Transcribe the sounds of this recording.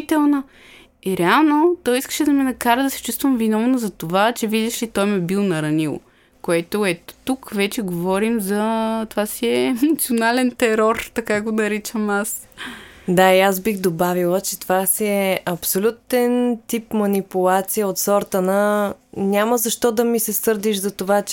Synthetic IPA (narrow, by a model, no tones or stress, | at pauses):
t̪ɛlˠnɐ | iɾɛalˠnot̪ɔjiskə̥ʃɛd̪ɐmɛnɐkaɾəd̪ɐsɛ̥t͡ʃust̪vɐmvinɔvnozɐt̪ovat͡ʃɛvid̪ʲɛʃlit̪ɔjmɛbilˠnɐɾɐnilˠ | koɛt̪oɛt̪t̪ukvɛt͡ʃɛɡovɔɾimzɐt̪ovasiɛnɐt̪sionalɛnt̪ɛɾɔɾt̪ɐkaɛɡonɐɾit͡ʃəmas | d̪aiasbixd̪obavilˠət͡ʃɛ̥t̪ovasiɛɛʔɐpsolʲut̪ɛnt̪ipmɐnipulˠat̪sijəot̪sɔɾt̪ənənʲaməzɐʃt̪ɔd̪ɐmisɛsɤɾd̪iʃzɐt̪ovat͡ʃ